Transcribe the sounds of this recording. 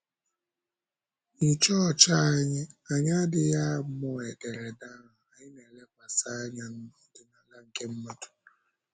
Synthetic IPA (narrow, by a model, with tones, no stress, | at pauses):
i˨t͡ʃɔ˦˨t͡ʃa˦a˨ɲɪ˦a˨ɲa˦dɪ˨ja˦mʊ˨e˨de˨ɾe˨da˦ɦʊ˨a˨ɲɪ˦ne˨le˦kʷa˨sa˦a˦ɲa˦n̩˦mʊ˦dɪ˨na˨la˦ŋ̩˨ke˦m̩˦mɔ˦tʊ̥˨